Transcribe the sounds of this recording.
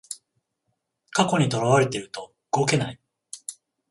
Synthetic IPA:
kako̞ɲ̟it̪o̞ɾaβaɾe̞t̪e̞ɾɯ̟t̪o̞ | ɯ̟ɡo̞ke̞nai

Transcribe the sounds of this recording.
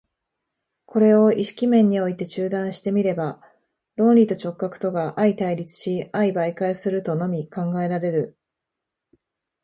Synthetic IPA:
kʰo̞ɾe̞o̞iɕi̥kʲimẽ̞ɲ̟ːio̞it̪e̞t͡ɕɨːd̪ãɰ̃ɕi̥t̪e̞mʲiɾe̞ba | ɾõ̞nɾʲit̪o̞t͡ɕo̞kːakɯ̟̥t̪o̞ɡaʔait̪aiɾʲit͡sɨ̥ɕiaibaikaisɨɾɯ̟t̪o̞no̞mʲikãŋɡae̞ɾaɾe̞ɾɯ̟

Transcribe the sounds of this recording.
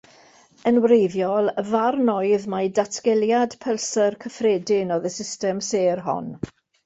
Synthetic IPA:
ənwrejvjɔlˠəvarnɔjðmadatʰɡ̥ɛlˠjadpʰəlˠsərkʰəfreːdɪnɔðəsɪstɛmseːrɦɔ̰n

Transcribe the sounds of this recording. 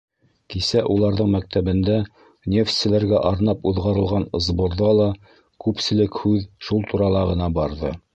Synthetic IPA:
kisæʔulˠɑɾðɤɴmæk̚t̪æβɘ̆nd̪æ | nʲeft̪sɘ̆læɾɡæʔɑɾnɑpuðʁɑɾɤ̆lˠʁɑnŏzbŏɾðɑlˠɑ | kʉpsɘ̆lɘkhʉðʃulˠt̪uɾɑlˠɑʁɤ̆nɑbɑɾðɤ

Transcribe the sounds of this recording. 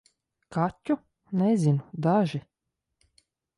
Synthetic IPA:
katʲːu | nɛzʲinud̪aʒi

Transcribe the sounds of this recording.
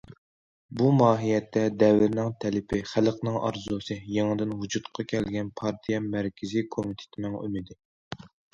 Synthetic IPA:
bumɑːɦijɛt̪ʰːɛd̪ɛvɪɾnɪŋt̪ʰɛlɪpʰɪχælqnɨŋʔɑ̰ɾzusɨjeŋɨd̪ɪnɦud͡ʒut̪qʰɑkʲʰɛlɡʲɛnpʰɑɾt̪ʰijɛmæɾkʲʰɪzikʰomit̪ʰɪ̥t̪ʰɪnɪŋy̰mɪd̪ɪ

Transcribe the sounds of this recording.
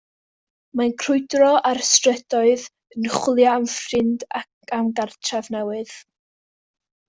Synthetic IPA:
mankʰrʊɨdrɔʔarstrɛdɔɨð | ənəχwlˠjaːmfrɪndakamɡartʰravnɛwɨð̥

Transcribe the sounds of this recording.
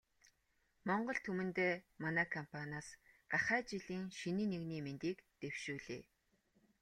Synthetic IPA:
mɔɴɢɞ̆ɬt̪ʰumɘ̆nt̪eːmanæːkʰɔmpʰanʲaːsɢaχæːt͡ɕiɮiːŋʃiniːneɣniːment̪iːkt̪ewʃuːɮeː

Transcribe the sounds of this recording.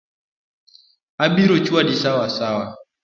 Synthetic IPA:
abiɾot͡ʃuadisawasawa

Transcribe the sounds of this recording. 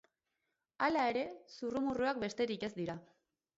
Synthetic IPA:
alae̞ɾe̞surumuruak̚be̞st̪e̞ɾike̞zd̪iɾa

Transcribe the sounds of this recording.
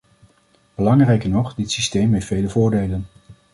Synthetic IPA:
b̥əlɑŋrɛjkəɹnɔχdɪtsistejmɦejtfejləvʊːɹdejlən

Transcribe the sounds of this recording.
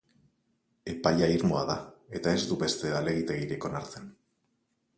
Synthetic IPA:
e̞paʎaiɾmoa̰ðae̞t̪ae̞zd̪uβe̞st̪e̞ale̞ɣ̞it̪e̞ɣ̞iɾeko̞naɾt̪en

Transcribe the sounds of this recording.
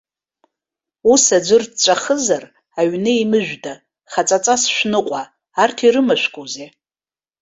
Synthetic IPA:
usad͡ʒʷɨrdt͡ʃʷʼaχəzar | aɥnɨimɨʒᶣda | χat͡sʼat͡sʼasʃʷᶣnɨqʷʼaː | rtʰiɾɨmaʃʷᶣkʼoze

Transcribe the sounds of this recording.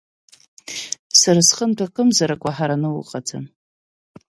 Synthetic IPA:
sarasχəntʰʷakʼɨmzaɾakʷʼaħaɾanɨwʊqʼatʰam

